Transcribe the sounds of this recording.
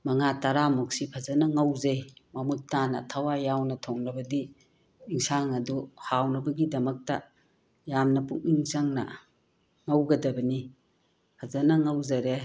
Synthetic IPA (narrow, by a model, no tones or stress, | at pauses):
mɐŋataɾamuksipʰɐzɐnɐŋɐwzejmɐmutːanɐ̰tʰawajawnɐtʰoŋɾɐbɐdiː | ŋsaŋɐduhawnɐbɐɡidɐmɐk̚tɐ | jamnɐpuŋiŋzaŋnɐ̰ | ŋɐwɡɐdɐbɐni | pʰɐzɐnɐŋɐwzɐɾe